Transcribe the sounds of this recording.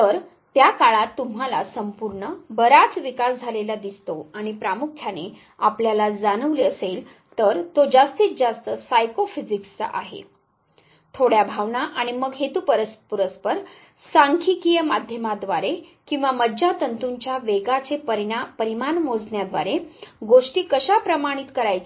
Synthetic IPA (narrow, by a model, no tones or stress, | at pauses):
t̪əɾ | t̪jakaɭat̪ːum̤alasəmpuɾɳəbəɾat͡sʋikasd͡zʱalelad̪ist̪oaɽ̃ipɾamukʰjane | apljalad͡zanəʋliəsel | t̪əɾt̪od͡zast̪iːt͡sd͡zast̪əsajkofid͡zikst͡sə̰ʔa̰ɦḛ | t̪ʰoɽjabʱaʋɳaʔaɽ̃iməɡɦet̪upəɾəspuɾəspəɾ | saŋkʰikijəmad̪ʱjəmad̪ʋaɾekĩw̃ʋaməd͡ʑat̪ənt̪uɲt͡ɕjaʋeɡat͡sepəɾapəɾimanmod͡zɳjad̪ʋa̰ɾeɡoʂʈiːkəɕapɾəmaɽ̃it̪kəɾajt͡se